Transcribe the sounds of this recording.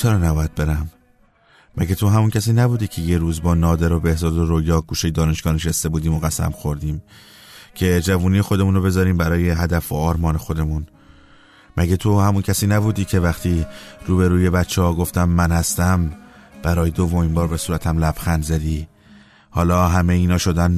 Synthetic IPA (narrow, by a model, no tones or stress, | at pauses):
t͡ʃʰeɾɒːnæbɒːjæd̪̚be̞ɾæmː | æ̰ɟæt̪ʰo̞ɦæmuncʰæsiːnæbuːd̪iːcʰe̞jeɾuːzbɒːnɒːd̪eɾo̞be̞hzɒːd̪o̞ɾojɒːɡ̥uːʃejd̪ɒːne̞ʃɡ̥ɒːneʃæst̪e̞buːd̪iːmo̞ɣæsæ̰mxo̞ɾd̪iːm | cʰe̞d͡ʒævuːnijexo̞d̪emuːnobe̞zɒːɾiːmbæɾɒːjeɦæd̪æfoɒːɾmɒːne̞xo̞d̪e̞mun | mʔæɟæt̪ʰohæmuncʰæsiːnæbuːd̪iːcʰe̞væxt̪ʰiːɾuːbe̞ɾuːje̞bætt͡ʃʰːehɒːɡo̞ft̪æmːænhæst̪æmb̥æɾɒːjed̪o̞vːo̞miːmbɒːɾbe̞suːɾæt̪ʰæmlæb̥xænzæd̪iː | hɒːlɒːɦæmejiːnɒːʃo̞d̪æn